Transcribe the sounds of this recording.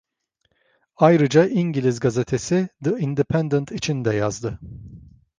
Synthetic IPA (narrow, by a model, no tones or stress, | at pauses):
ajɾɯd͡ʒaʔiɲɟilʲizɡazet̪ʰesid̪ɯind̪ipʰɛnd̪ənt̪ʰit͡ʃʰind̪ɛjazd̪ɯ